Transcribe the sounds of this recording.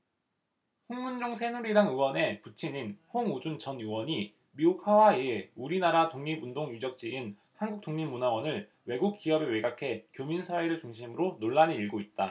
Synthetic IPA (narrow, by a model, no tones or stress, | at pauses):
ɸoŋmund͡ʑoŋsʰe̞nuɾidaŋɯwʌne̞put͡ɕʰininhoŋud͡ʑunt͡ɕʌnjuwʌɲi | miukhawaieuɾinaɾatoŋɲimundoŋjud͡ʑʌk̚t͡ɕ͈iin | hanɡuk̚t͈oŋɲimunawʌnɯɭ | we̞ɡuk̚k͈iʌbe̞weɡakʰe̞kjominsʰaeɾɯɭt͡ɕuŋɕʰimɯɾonoɭːaniiɭɡoit̚t͈a